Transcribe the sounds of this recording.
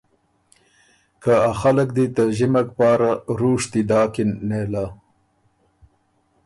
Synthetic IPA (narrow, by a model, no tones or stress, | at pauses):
kaaxalək̚d̪it̪əʒɪmak̚pɑːɾaɾuʂt̪id̪ɑːkɪnːela